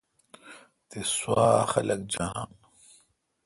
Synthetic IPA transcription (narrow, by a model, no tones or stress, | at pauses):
t̪eswaːxɐlɐkd͡ʑaːn